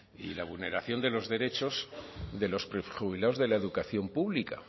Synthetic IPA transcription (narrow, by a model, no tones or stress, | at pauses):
ḭlaβulne̞ɾaθjo̞nd̪e̞lo̞zðe̞ɾe̞t͡ʃo̞zðe̞lo̞spɾexuβilaozðe̞lae̞ðukaθjo̞mpuβlika̰